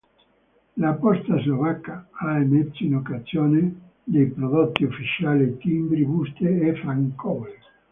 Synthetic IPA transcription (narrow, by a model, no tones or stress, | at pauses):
lapɔst̪azlovakːaaemɛt̪sːoinokazjɔːne | d̪ejpɾod̪ot̪ːiufːit͡ʃaːlet̪imbɾibust̪eɛfɾaŋkɔl